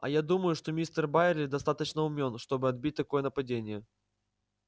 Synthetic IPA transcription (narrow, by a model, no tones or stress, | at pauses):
ɐ̰jad̪uməjʊʂt̪o̞mʲist̪ərbaɪrlʲɪd̪ɐst̪at̪ət͡ɕnəʊmʲo̞nʂt̪o̞bɨɐd̪̚bʲit̚ʲt̪ɐko̞jənəpɐdʲenʲɪjə